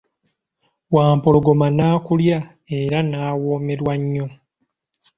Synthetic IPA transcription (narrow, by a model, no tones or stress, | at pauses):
waːmpoloɡo̞manaːkulja | eɾanaːwo̞ːme̞ɾwaɲːo̞